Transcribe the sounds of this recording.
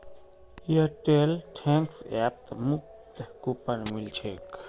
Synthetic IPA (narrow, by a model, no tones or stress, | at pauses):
jəʈelʈʰẽŋksɛp̚t̪muk̚ | t̪kupənmilt͡ʃʰek